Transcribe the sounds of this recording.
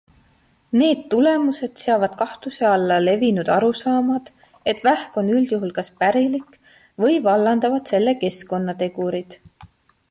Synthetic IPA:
ne̞ːd̪̥t̪ːule̞muse̞d̪̥seɑvɑd̪̥kɑht̪use̞ɑlːɑle̞vinud̪̥ɑɾusɑːmɑd̪̥ | e̞t̪ːvæhko̞nyld̪̥juɦulkɑspæɾilik | vɤjvɑlːɑnd̪̥ɑvɑd̪̥se̞lːe̞ke̞sko̞nːɑt̪e̞ɡ̥uɾid̪̥

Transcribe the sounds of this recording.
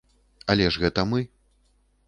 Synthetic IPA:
ɐlʲɛʐɣɛt̪ɐmɨ

